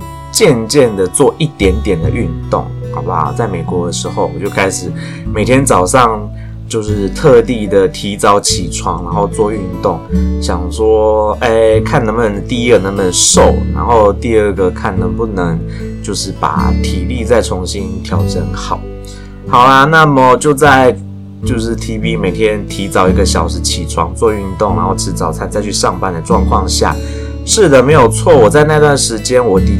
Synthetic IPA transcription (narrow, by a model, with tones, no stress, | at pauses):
t͡ɕjɛ˥˧nt͡ɕjɛ˥˩nd̪ə˩t͡swɔ˥˧ʔi˥˩t̪jɛ˧˦˥nt̪jɛ˨˩nd̪ə˩ʔy˥˧nt̪ʊ̰˥˩ŋhɑ˧˩ʊba̰˨t͡sa˥˩ɪme˨˩ɪkwɔ˧˥d̪ə˨ʂɻ̩˧˥xo˥˩ʊɔ˩t͡ɕjo˥˩ʊkʰa˦˥ɪʂɻ̩˨˩ | me˨˩ɪt̪ʰjɛ˦˥nt͡sɑ˨˩ʊʂɑ˥˧ŋ | t͡ɕjo˥˧ʊʂɻ̩˥˧t̪ʰɤ˥˧t̪i˥˩d̪ə˩t̪ʰi˧˥t͡sɑ˧˥ʊt͡ɕʰi˨˩ʈ͡ʂʰwɑ˧˥ŋna˧˦ŋxo˥˧ʊt͡swɔ˥˧y˥˧nt̪ʊ˥˩ŋɕjɑ˨˩ŋʂwɔ˦˥e˥˧˩kʰa˥˩nnə˧˦˥mə˧˦nt̪i˥˧i˦˥ɡə˨nə˧˥ŋmə˧nʂo˥˨˩ʊna̰˧˦nxo˥˧ʊt̪i˥˧ə˥˩ɡə˩kʰa˥˩nd̪ə˨˦pu˥˩nə˧˦ŋt͡ɕjo˥˧ʊʂɻ̩˥˩pa̰˨˩t̪ʰi˨˩˦li˥˧t͡sa˥˩ɪʈ͡ʂʰʊ˧˥ŋɕi˦nt̪ʰjɑ˨˥ʊʈ͡ʂə̰˧˦nxɑ˨˩˦ʊ | xɑ˨˩ʊla˧na˥˩mə˨˩t͡ɕjo˥˧ʊt͡sa˥˧ɪ | t͡ɕjo˥˧ʊʂɻ̩˥˩t̪ʰi˥pi˦me˨˩ɪt̪ʰjɛ˦˥nt̪ʰi˧˥t͡sɑ˨˩ʊi˧˥ɡə˧ɕjɑ˨˩ʊʂɻ̩˧˥t͡ɕʰi˨˩ʈ͡ʂʰwɑ̰˧˥ŋt͡swɔ˥˧y˥˧nt̪ʊ˥˩ŋna̰˧˦nxo˥˩ʊʈ͡ʂʰɻ̩˧˥t͡sɑ˨˩ʊt͡sʰa˥˩nt͡sa˥˧ɪt͡ɕʰy˥˧ʂɑ˥˧ŋpa˥˧nd̪ə˨ʈ͡ʂwɑ˥˧ŋkʰwɑ˥˧ŋɕja̰˥˩ | ʂɻ̩˥˩d̪ə˩me˧˥ɪjo˨˩ʊt͡sʰwɔ˥˩wɔ˨˩t͡sa˥˧ɪna˥˧i˧t̪wa˥˩nʂɻ̩˧˥t͡ɕjɛ˦nwɔ˨˥t̪i˨˩